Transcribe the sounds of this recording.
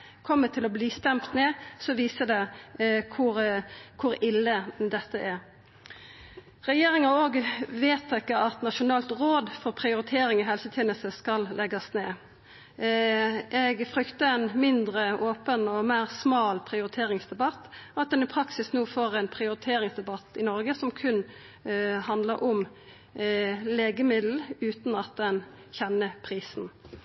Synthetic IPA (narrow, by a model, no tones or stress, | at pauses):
kʰɔmːət̪ʰɪlɔbliːst̪ɛmpt̪neːsɔʋiːsəd̪ɛkʰʊʁkʰʊɾɪlːəd̪ɛt̪ːəʔæɾ | ʁɛjeːɾɪŋɑoːɡʋeːt̪ʰːɛkːəɑt̪nɑʃʊnɑːlt̪ʁoːd̪fɔʁpʰɾɪʊɾɪt̪ʰeːɾɪŋɔɦɛlsət̪ʰeːnəst̪əskɑllʔɛɡɑsneː | ʔɛɡfʁʏkt̪əɛnmɪnd̪ʁəʔoːpənɔmeːʁsmɑːlpʰʁɪʊɾɪt̪ʰeːʁɪŋsd̪ɛbɑt̪ːɑt̪̚d̪ɛnɪpʰʁɑksɪsnuːfoːʁɛnpʰʁɪʊɾɪt̪ʰeːɾɪŋsd̪ɛbɑt̪ːɪnɔɾɡəsɔmkʰʉn | hɑnd̪ləɾʔɔm | leːɡəmɪd̪l̩ʉːt̪nɑt̪̚d̪ɛn | çɛnːəpʰʁiːsn̩